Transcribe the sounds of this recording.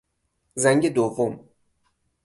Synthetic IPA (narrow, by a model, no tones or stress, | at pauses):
zæŋɟed̪ovom